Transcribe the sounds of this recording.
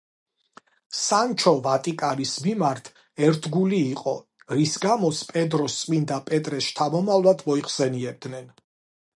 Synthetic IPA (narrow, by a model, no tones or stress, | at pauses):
sant͡ʃʰɔvat̪ʼikʼaɾismimaɾt̪ʰ | ɛɾt̪ʰɡuliːqʼɔ | ɾisɡamɔspʼɛd̪ɾɔst̪sʼmind̪apʼɛt̪ʼɾɛʃt̪ʰamɔmavlˠad̪ʰmɔiχsɛniɛb̚d̪nɛn